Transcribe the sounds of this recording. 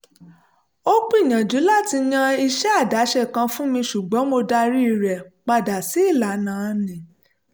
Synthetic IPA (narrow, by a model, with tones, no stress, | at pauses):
o˦k͡pj̃ã˨d͡ʒu˨˦la˦˨ti˧ɲã˧i˧ʃɛ˦a˦˨da˨˦ʃɛ˦˨kã˧fũ˦mĩ˧ʃu˨ɡ͡bɔ̃˨˦mo˧da˧ɾi˦i˧˨ɾɛ˨k͡pa˧da˨si˨˦i˦˨la˨nã˨˧nĩ˨